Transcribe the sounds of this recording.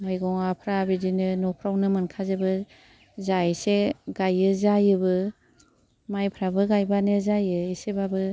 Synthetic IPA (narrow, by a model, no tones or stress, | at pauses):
ɯjɡɔŋapʰɾabidinɯnɔpʰɾawnɯmɯnkʰazɯbɯ | zaseɡajɯzajɯbɯ | majpʰɾabɯɡajbanɯzajɯisebabɯ